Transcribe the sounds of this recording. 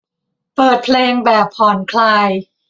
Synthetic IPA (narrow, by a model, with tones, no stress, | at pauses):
pɤː˨˩t̪̚pʰleː˧ŋbɛː˨˩pʰhʰɔː˨˩˦nkʰlaː˧j